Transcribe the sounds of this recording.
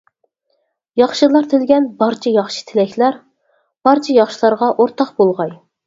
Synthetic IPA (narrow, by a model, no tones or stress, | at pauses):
jɑχʃɨlˠɑɾt̪ʰɪlɡʲɛnbɑɾt͡ʃʰɛjɑχʃɨ̥t̪ʰɪlɛkʲlæɾ | b̥ɑɾt͡ʃʰɛjɑχʃilˠɑɾʁɑʔoɾt̪ʰɑqbolˠʁɑj